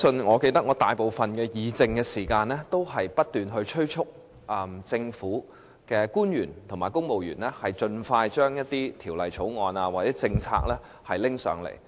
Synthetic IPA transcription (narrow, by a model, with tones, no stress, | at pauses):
sɵ˧nŋɔː˨˧ke˧jt̪ɐ˥k̚ŋɔː˨˧t̪aː˨jpo˨wfɐ˨nkɛː˧jiː˨˧t͡sɪ˧ŋkɛː˧siː˨˩kaː˧nlɛː˥t̪o˥wɦɐ˨jpɐ˥t̚t̪yː˨˩nɦɵ˧ɥt͡ʃʰɥt͡ʃʰʊ˥k̚ | ʔɐ˧mt͡sɪ˧ŋfuː˨˥ | kɛː˧kuː˥njyː˨˩nt̪ʰʊ˨˩maː˨˩jkʊ˥ŋmo˨wjyː˨˩nlɛː˥hɐ˨jt͡ʃɵ˧nfaː˧jt͡ʃœː˥ŋjɐ˥t̚t̪iː˥t̪ʰiː˨˩wlɐ˨jt͡sʰo˨˥wŋɔː˨˧naː˧waː˨t̚t͡sɛː˨˦˥t͡sɪ˧ŋt͡sʰa̰ː˧k̚lɛː˥ | hɐ˨jlɪ˥ŋsœ̰ː˨˧˥ŋlḛ˨˩j